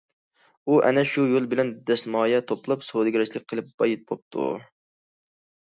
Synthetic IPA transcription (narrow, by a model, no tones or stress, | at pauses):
uʔɛ̰nɛʃujolˠbɪlɛnd̪ɛsmɑːjɛt̪ʰoplˠɑpsod̪ɨɡʲɾɛt͡ʃlɪk̚ʲqʰəlˠɨp̚b̥ɑjit̪̚bop̚t̪ʰṵ